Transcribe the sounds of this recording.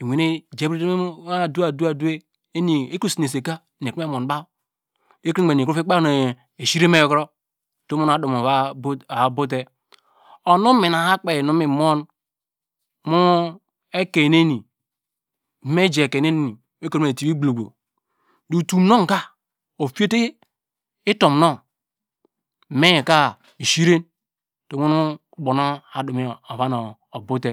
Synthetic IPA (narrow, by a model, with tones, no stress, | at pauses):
e˨wʷe˨e˦d͡ʒe˦bɾe˦a˦˨du˦a˨du˦a˦˨du˦e˦ | e˦ni˨e˦ko˦˨si˨ne˨se˨ka˦˨n˨ke˦mo˨n˦ba˦ | e˦ki˦e˨i˨kfi˦k͡pa˦ne˨ | e˨ʃi˦ɾe˦me˦jo˨kɾo˦˨ | to˦mu˦na˨˦du˨mo˨a˦a˨bu˦t̬e˦ | o˨nu˦mi˨na˨ha˦k͡pe˨nu˦mi˨mo˦n | mu˦ | e˦ke˨ne˦ni˨ | me˦d͡ʒe˨ke˨ne˦n˦˨i˨ | e˦ke˨ɾe˨ti˨bi˦ɡ͡blo˨ɡ͡bo̰˨ | du˨tu˨no˦ŋ˨ka˦ | o˨fi˦e˦te˦ | i˦to˨mno˦˨ | me˦je˨ka˦˨ | ʃi˦ɾe˦n | to˨˦mu˦n˦ | ɡ͡bo˨no˦a˨du˨mi˨˦o˨βa˦no˨ | o˨bu˦te˦